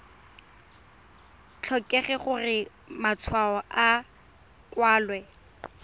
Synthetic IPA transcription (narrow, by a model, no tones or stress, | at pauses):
t͡ɬʰɔkʼɛχɛχʊrɪ | mat͡sʰwaɔʔa | kwaːlwɛ